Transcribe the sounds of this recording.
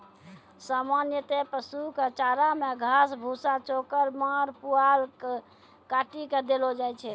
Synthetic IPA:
samanjət̪epəsuket͡ʃaɾameɡʱasbʱusat͡ʃokəɾmaɾpualke | kaʈiked̪elod͡ʒajt͡ʃʰɛ

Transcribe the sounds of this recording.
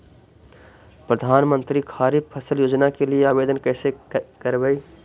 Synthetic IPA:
pɾəd̪ʱaːnmə̃nt̪ɾikʰaːɾipʰəsəljoːd͡ʒnakelieaːbeːd̪ənkɛːsekəɾbəi

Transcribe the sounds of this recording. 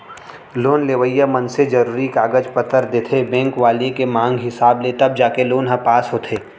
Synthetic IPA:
loːnleːʋəjamɐnsed͡ʒɐɾuːɾikaːɡəd͡ʒpət̪əɾd̪et̪ʰebɛ̃ːŋkʋaːlikemãːŋɡɦɪsaːblet̪ɐb̚d͡ʒaːkeloːnɦɐpaːsɦoːt̪ʰeː

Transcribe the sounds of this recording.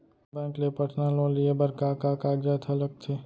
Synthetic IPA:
bɛ̃ːklepəʈnaːlõliebɐɾkakaːkaːɡd͡ʒat̪ʰɐləɡ̚t̪ʰeː

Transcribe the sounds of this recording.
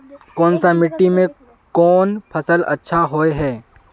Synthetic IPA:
kɔːnsamɪʈːimẽ | kɔːnpʰɐsəlɐ̰tːʃʰaɦoːeɦɛː

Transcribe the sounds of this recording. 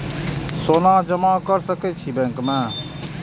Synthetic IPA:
soːnãːd͡ʒəmãːkəɾsəkeːt͡ʃʰiːbɛ̃ŋkmɛ̃ː

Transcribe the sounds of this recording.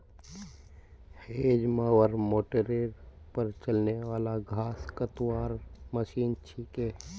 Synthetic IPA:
heːd͡ʒmaːwəɾmoːʈəɾeɾ | pəɾt͡ʃəlnewaːlaɡʱaːskət̪waːɾməʃiːnt͡ʃʰiːkeː

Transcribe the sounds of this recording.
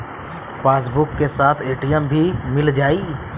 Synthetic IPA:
paːs̬bʊkːesaːt̪ʰeːʈijəmbʱimɪld͡ʒaːi

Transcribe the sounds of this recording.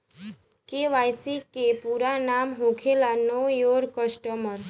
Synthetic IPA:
keʋajsikːepuɾanamɦokʰelanojoɾkəsʈəməɾ

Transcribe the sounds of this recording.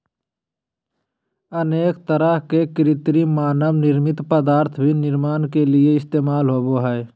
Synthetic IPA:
əneːkt̪əɾəɦkekɪɾɪt̪ɾimaːnəʋnɪɾmɪt̪pəd̪aːɾt̪ʰbʱinɪɾmaːnkelɪeɪst̪eːmaːlɦoːboɦɛː

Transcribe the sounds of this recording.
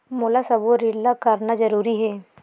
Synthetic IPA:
moːlasɐboɾɪlːakɐɾnazɐɾuːɾiɦɛː

